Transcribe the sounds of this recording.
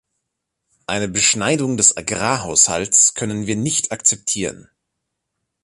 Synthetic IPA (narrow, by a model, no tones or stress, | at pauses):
ʔaɪnəbəʃnaɪdʊŋdɛsʔaɡʁaːɦaʊsha̰ltskʰœnənviːɐnɪçtʰakt͡sɛp̚tʰiːʁ̞ən